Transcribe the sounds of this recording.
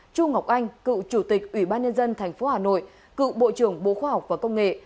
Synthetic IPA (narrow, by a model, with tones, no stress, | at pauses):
t͡ɕu˧ŋa˨˩wk͡p̚ʔa˧jŋ̟kɨ̰˧˨t͡ɕu˧˩t̪ï˨˩k̚ʔwi˧˩ɓaː˧nɲə˧nzə˧nt̪ʰɛ˨˩jŋ̟fo˨˦haː˨˩no̰˧˨j | kɨ̰˧˨ɓo̰˧˨t͡ɕɨ˧˩əŋɓo̰˧˨xwaː˧ha˨˩wk͡p̚vaː˨˩kə˧wŋ͡mŋḛ˧˨